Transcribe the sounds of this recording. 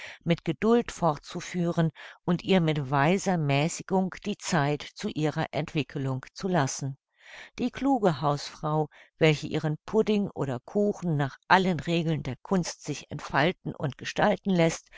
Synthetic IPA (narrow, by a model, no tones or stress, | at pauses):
mɪtɡ̥ədʊltfɔɐt̚t͡sufyːʁənʔʊntʔiːɐmɪtv̥aɪzɐmɛːsɪɡʊŋd̥iːt͡saɪtt͡suʔiːʁɐʔɛntv̥ɪkʰəlʊŋt͡sulasn̩ | d̥iːkl̥uːɡəɦaʊsfʁ̥aʊvɛlçəʔiːʁ̞ənpʰʊdɪŋʔo̰ːdɐkʰuːxn̩naːχʔalənʁeːɡl̩ndeːɐkʰʊnstz̥ɪçɛ̰ntfaltn̩ʔʊ̰ntɡ̥əʃtaltn̩lɛst